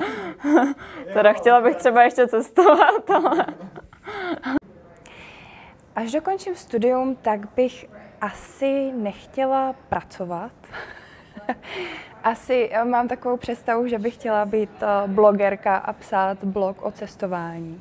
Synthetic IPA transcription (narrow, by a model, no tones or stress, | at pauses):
t̪ɛdaxcɛlabɪxt̪r̥ɛbajɛʃcɛt͡sɛst̪ovat̪alɛ | ʔaʒdo̞ko̞nt͡ʃɪmst̪udɪjumt̪aɡbɪxʔasɪnɛxcɛlapɾat͡sovat̪ | ʔasɪmaːmt̪akovo̞wpr̝̥ɛt̪st̪avuʒɛbɪxcɛlabiːt̪bloɡɛɾkaʔa̰psaːt̪blo̞kʔo̞t͡sɛst̪o̞vaːɲiː